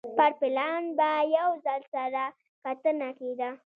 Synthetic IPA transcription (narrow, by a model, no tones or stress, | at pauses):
paɾpɪlɑnbajawzalsaɾa | kat̪ənaked̪a